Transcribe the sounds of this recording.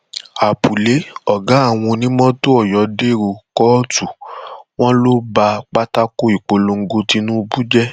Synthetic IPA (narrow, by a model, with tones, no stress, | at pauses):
a˨pu˨le˨˦ɔ˨ɡã˨˦a˦˨w̃ɔ̃˧nĩ˦mɔ̃˦to˦ɔ˦˨jɔ˨˦de˦˨ɾo˨kɔ˦tu˨w̃ɔ̃˦lo˦ba˧k͡pa˦ta˦ko˦i˨k͡po˨lo˧ŋ̩˦ɡo˧ti˧nũ˦˧bu˦d͡ʒɛ˦